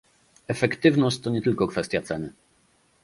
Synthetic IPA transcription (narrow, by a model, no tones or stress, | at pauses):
ɛfɛkt̪ɘvnɔɕt͡ɕt̪ɔɲɛt̪ɘlkɔkfɛst̪ʲjat̪sɛnɘ